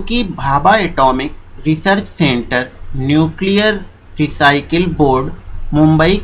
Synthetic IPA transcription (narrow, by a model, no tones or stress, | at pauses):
kibʱaːbaeʈɔːmɪk̚ | ɾɪsəɾt͡ʃsẽːɳʈəɾnjuːklijəɾ | ɾɪsaːɪkəlboːɾɖmʊ̃mbəi